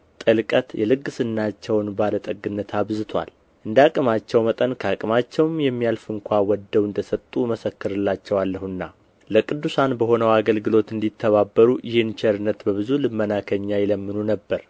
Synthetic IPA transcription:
t̪ʼəlkʼət̪jɛlɨɡːɨsɨnːat͡ʃːɛwnbalət̪ʼəɡːɨnːət̪ʰaβzɨt̪ʰwa̰l | ʔɨnd̪akʼɨmat͡ʃːɛwmət̪ʼənkʰakʼɨmat͡ʃːɛwmjɛmːijalfɨŋkʷʰawɔd̪ːəwɨnd̪əsət̪ʼːuməsəkːɨɾɨlːat͡ʃːɛwalːəhɨnːa | ləkʼɨd̪ːusanbəho̞nəwaɡəlɡɨlo̞t̪ɨnd̪it̪ʰːəβabːəɾujɪhɨnt͡ʃʰɛɾɨnːət̪bəβɨzulɨmːənakʰəɲːajɛləmːɨnunəbːəɾ

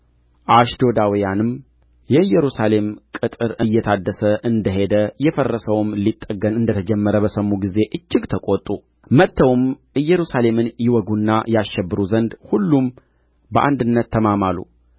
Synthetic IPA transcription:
ʔaʃd̪o̞d̪awijanɨm | jɛɨjːɛɾusale̞mkʼɨt̪ʼɨɾʔɨjːɛt̪ʰad̪ːəsəʔɨnd̪əɦe̞d̪əjɛfərːəsəwmlit̪ʼːəɡənɨnd̪ət̪ʰəd͡ʒɛmːəɾəbəsəmːuɡize̞ʔɨt͡ʃːɪɡt̪ʰəkʼot̪ʼu | mət̪ːəwmʔɨjːɛɾusale̞mɨnjɪwɔɡunːajaʃːɛbːɨɾuzənd̪hulːum | bəʔa̰nd̪ɨnːət̪ʰːəmamalːṵ

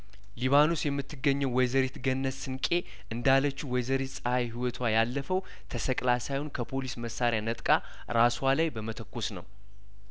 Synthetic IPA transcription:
liβanosjɛmːɨt̪ʰːɨɡːəɲːəwwɛjzəɾit̪ɡənːəsːɨnkʼe̞ | ʔɨnd̪alːət͡ʃːuwɔjzəɾit̪sʼəhajɦiwɔt̪ʰwajalːəfəw | t̪ʰəsəkʼlasajunkʰəpʰo̞lisməsːaɾɪjanət̪ʼkʼa | ɾaswalajbəmət̪ʰəkːosnə̰w

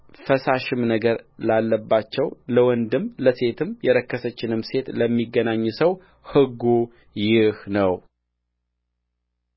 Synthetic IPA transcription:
fəsaʃɪmnəɡəɾlalːəbːat͡ʃːɛwləwɔnd̪ɨmləse̞t̪ʰɨmjɛɾəkːəsət͡ʃːɪnɨmse̞t̪ləmːiɡːənaɲːsəw | hɨɡːu | jɪhnəw

